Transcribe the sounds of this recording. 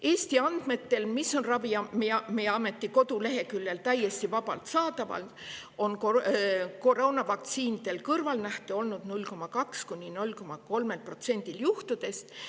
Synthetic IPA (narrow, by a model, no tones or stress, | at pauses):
e̞ːst̪iɑnd̪̥me̞t̪ːe̞lmiso̞nrɑviɑmimeɑme̞t̪ˑːiko̞d̪ule̞ɦe̞kylːe̞lt̪æje̞st̪ivɑbɑ̰lt̪sɑːt̪ɑvɑ̰lt̪o̞nkoko̞ro̞ːnɑvɑk̚t̪siːnid̪̥e̞lkɤrvɑlnæht̪uo̞lnud̪nulʲko̞mɑkɑkskunʲːino̞lʲko̞mɑko̞lme̞lpro̞t̪se̞nʲd̪̥iljuht̪ud̪e̞st̪